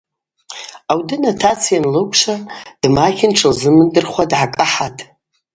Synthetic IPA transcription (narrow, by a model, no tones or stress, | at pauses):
awdɨnatʰat͡sʰjanlɨkʷʰʼʂad̥makʰʲɪnʈ͡ʂʰalzɨmɨndɨrχʷadʕakʼaħatʼ